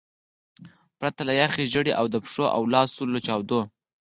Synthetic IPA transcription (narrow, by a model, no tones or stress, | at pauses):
pɾat̪alajaxeʒəɽeʔawd̪əpʂoʔa̰wlɑsulːot͡ʃɑwd̪o